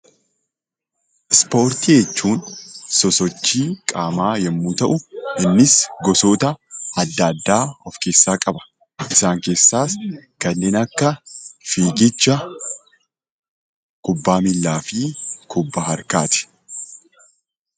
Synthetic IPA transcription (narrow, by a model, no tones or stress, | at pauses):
spo̞ːɾt̪ijɛt͡ʃːuːnsɔsɔt͡ʃːiːkʼaːmaːjɛmːuːt̪ɐʔʊɪnːɪsɡɔsoːt̪ɐɐd̪ːad̪ːaːɔfke̞ːsːaːkʼɐbɐ̥ | ʔɪsaːŋke̞ːsːaːskɐnːe̞ːnɐkːɐfiːɡɪt͡ʃːɐ | kʼʊbːaːmɪlːaːfɪkʰʊbːaːhɐɾkaːt̪ɪ̥